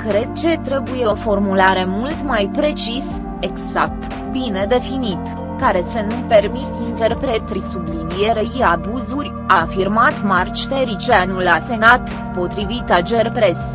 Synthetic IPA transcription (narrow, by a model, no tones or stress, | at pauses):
kɾe̞d̪̚t͡ʃe̞t̪ɾe̞bujeofo̞rmulaɾe̞mult̪majpɾe̞t͡ʃis | eɡz̥ak̚t̪ | bine̞d̪e̞finit̪ | kaɾe̞senupe̞rmit̪int̪e̞rpɾe̞t̪ɾisublinije̞ɾeiabuzurʲ | afirmat̪mart͡ʃt̪eɾit͡ʃeanulase̞nat̪ | po̞t̪ɾivit̪ad͡ʒe̞rpɾe̞s